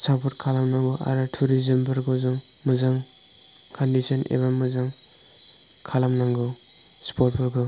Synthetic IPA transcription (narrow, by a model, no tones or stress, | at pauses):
sʰapʰɔɾkʰalamnaŋɡɔʔa̰ɾatʰuɾizembɯɾɡɔzɔŋ | mɯzaŋ | kʰandisɔnʔḛβamɯzaŋ | kʰalamnaŋɡɔ | spɔt̚bɔɾɡɯ